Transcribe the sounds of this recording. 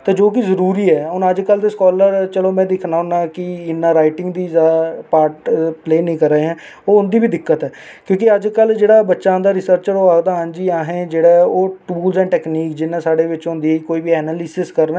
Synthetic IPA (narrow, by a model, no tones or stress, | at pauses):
t̪ãːd͡ʒoːk̬ɪzəɾuːɾiːɛːɦʊnəd͡ʒkəlt̪eskɔːləɾt͡ʃəloːmɛ̃ːd̪ɪkʰnaːʊnãːkɪɪnːãːɾaːɪʈɪŋɡd̪iːzapaːɾʈpleːnĩːkəɾəeːɦɛ̃ː | oːʊnd̪iːbiːd̪ɪkːət̪ɦɛː | kjõːkɪəd͡ʒkəld͡ʒeːɽaːbətːʃãːd̪aːɾɪsəɾt͡ʃəɾoːaːɡd̪aːɦənd͡ʒiːaːɦẽːd͡ʒeːɽaːoːʈuuːlzɛ̃ːʈɛːkniːkd͡ʒɪnːãːsaːɖeːʋɪt͡ʃɦʊ̃nd̪iːiːkoːiːʋiːɛːnaːlɪsɪskəɾnː